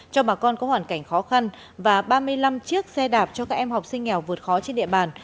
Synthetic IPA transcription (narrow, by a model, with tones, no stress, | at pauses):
t͡ɕɔ˧ɓaː˨˩kɔ˧nkɔ˨˦hwaː˧˩nka˧˩jŋ̟xɔ˨˦xa˧n | vaː˨˩ɓaː˧mɨ˧əjla˧mt͡ɕɨ˦˥ək̚sɛ˧ɗaː˨˩p̚t͡ɕɔ˧kaː˦˥k̚ʔɛ˧mha˨˩wk͡p̚sï˧ŋ̟ŋɛ˨˩wvɨ˨˩ə˩t̚xɔ˨˦t͡ɕe˧nɗḭ˧˨əɓaː˨˩n